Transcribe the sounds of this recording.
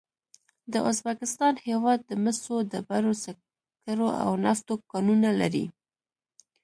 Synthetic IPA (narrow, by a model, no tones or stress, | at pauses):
d̪əʔʊzbakɪst̪ɑnhewɑd̪ːəməsod̪əbaɾosa | kaɾoʔa̰wnaft̪okɑnunalaɾḭ